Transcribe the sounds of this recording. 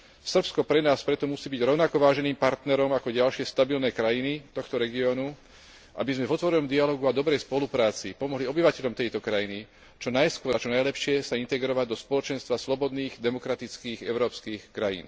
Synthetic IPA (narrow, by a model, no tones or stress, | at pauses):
sr̩pskɔpɾɛnaːspɾɛt̪ɔmusiːbiɟɾɔʊnakɔʋaːʒɛniːmpaɾt̪nɛɾɔmakɔɟalʃɪɛst̪abilnɛkɾajinit̪ɔxt̪ɔɾɛɡiɔːnu | ʔa̰bizmɛvɔt̪ʋɔɾɛnɔmd̪ialɔːɡuad̪ɔbɾɛjspɔlupɾaːt͡sipɔmɔɦliɔbiʋacɛʎɔmt̪ɛjt̪ɔkɾajini | t͡ʃɔnajskʊɔɾat͡ʃɔnajlɛpʃɪɛsaint̪ɛɡɾɔʋaɟd̪ɔspɔlɔt͡ʃɛnst̪ʋaslɔbɔd̪niːɣd̪ɛmɔkɾat̪it͡skiːɣɛʊɾɔːpskiːxkɾajḭːn